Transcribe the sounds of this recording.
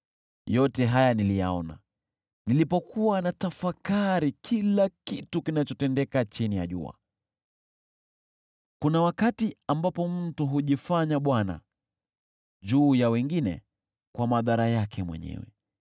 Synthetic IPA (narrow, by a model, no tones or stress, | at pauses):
jɔtɛɦajanilija̰ɔna̰ | nilipɔkʰuwanatafakaɾikʰilakitukinat͡ʃɔtɛndɛkat͡ʃinija̰ʄṵa̰ | kunawakatiambapɔm̩tuɦuʄifaɲaɓwana̰ | ʄuːjawɛŋɡinɛ̰ | kwamaðaɾajakʰɛmwɛ̰ɲɛ̰wɛ̰